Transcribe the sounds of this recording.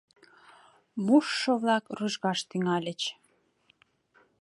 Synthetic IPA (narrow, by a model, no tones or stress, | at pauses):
muʃːoβlɑkruʒɣɑʃt̪yŋɑlʲə̆t͡ɕ